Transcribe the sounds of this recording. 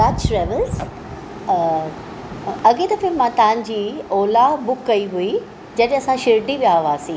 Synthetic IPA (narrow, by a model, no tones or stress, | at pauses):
aːt͡ɕʈɾɛːʋəlz | ɐɠit̪ɐfɪlmːãt̪ɐʋãɲ̆d͡ʑiːoːlabʊkːɐiɦui | d͡ʑɐɗɐsãʃɪɾʈibiaːʋaːsĩː